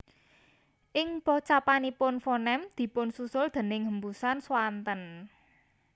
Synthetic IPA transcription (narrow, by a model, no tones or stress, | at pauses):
ʔɪŋpɔt͡ʃapanipʊnfɔnɛmd̪̥i̤pʊnsusʊld̪̥ə̤nɪŋɦəmbusanswant̪ən